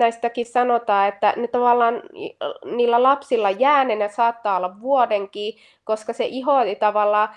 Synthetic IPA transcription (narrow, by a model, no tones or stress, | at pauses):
æist̪ækissɑnot̪ɑːet̪ːæ̰net̪ɑʋɑlːɑːn | niːlːælɑpsilːɑjæːnenɑsɑːt̪ːɑːolːɑʋʋuodeŋkiː | koskɑseʔiɦoit̪ɑʋɑlːɑː